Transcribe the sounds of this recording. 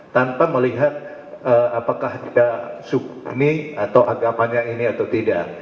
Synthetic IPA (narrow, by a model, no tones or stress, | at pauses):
t̪anpaməliɦat̪̚ | əapakaht̪idasukniat̪awaapaɲainiat̪awt̪idaʔ